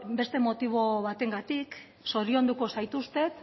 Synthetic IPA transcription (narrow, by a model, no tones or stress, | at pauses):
be̞st̪e̞mo̞t̪iβ̞o̞βat̪e̞ŋɡat̪ik | so̞ɾio̞nd̪uko̞sajt̪ust̪e̞k